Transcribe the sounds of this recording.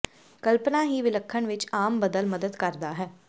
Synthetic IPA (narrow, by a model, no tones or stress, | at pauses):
kəlpnãːɦiːʋɪləkʰːəɳʋɪt͡ʃaːmbəd̪əlməd̪əd̪kəɾd̪aːɦɛː